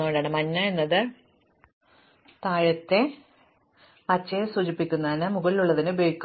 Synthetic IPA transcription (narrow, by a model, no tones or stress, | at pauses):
oɽaːɳɨmɐnːɐe̞nːɐðɨ | t̪aːɻɐt̪ːe̞ | pɐt͡ɕːɐjsuːd͡ʑipːikʲːunːɐinɨmuɣɐliluɭːɐðinɨbiːɻkː